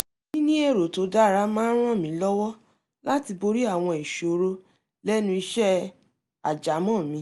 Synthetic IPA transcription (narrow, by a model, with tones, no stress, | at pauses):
nĩ˦nĩ˦e˦˨ɾo˨to˨˦da˦˨ɾa˦mãː˦ɾ̃ɔ̃˦˨mĩ˨˦lɔ˦wɔ˦ | la˦ti˧bo˧ɾi˦a˦˨w̃ɔ̃˧i˨ʃo˨˦ɾo˦ | lɛ˦nũ˧i˧ʃɛ˦ | a˨d͡ʒa˨˦mɔ̃˦˨mĩ˧˦